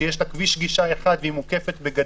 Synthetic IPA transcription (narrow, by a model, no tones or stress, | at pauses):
jeʃlakviʃɡiʃae̞χad̪veimuke̞fe̞t̪beɡa